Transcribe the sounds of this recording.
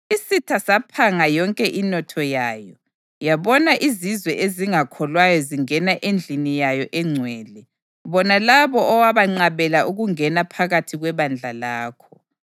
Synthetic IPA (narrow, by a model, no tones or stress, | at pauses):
isitʰasapʰaŋajɔŋkʼɛʔinɔtʰɔjaːjɔ | jaβɔnaʔizizwɛʔeziŋakʰɔlwajɔziŋɛnaʔend͡ɮʱinijajɔʔɛŋ͡ǀʱwɛːlɛ | βɔnalaβɔʔɔwaβaŋ͡ǀaβɛlaʔuɣuŋɛnapʰaɣatʰiɣwɛβand͡ɮʱalaːkʰɔ